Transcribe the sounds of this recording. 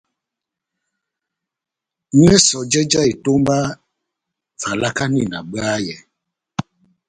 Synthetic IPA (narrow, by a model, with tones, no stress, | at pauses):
ɲu˦ɛ˦sɔ˨d͡ʒɛ˦d͡ʒa˦i˨to˦m˦ba˦ | va˨la˦ka˦nḭ˦˨na˨ɡ͡ba˦jɛ˨